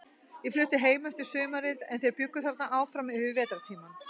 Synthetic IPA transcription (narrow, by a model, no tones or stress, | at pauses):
jɛflʏht̪ɪɦeːjmœht̪ɪ̥sʏːmaɾɪðɛ̰nθejɾpjʏkːʏθaɾt̪naʔaːwfɾamɪɪvɛːt̪aɾt̪ʰiːman